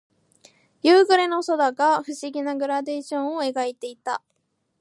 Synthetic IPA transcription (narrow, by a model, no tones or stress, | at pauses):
jɯːɡɯ̟ɾe̞no̞so̞d̪aɡaɸɯ̟ɕiɡʲinaɡɯ̟ɾad̪e̞ːɕõ̞ɰ̃oe̞ɡait̪e̞it̪a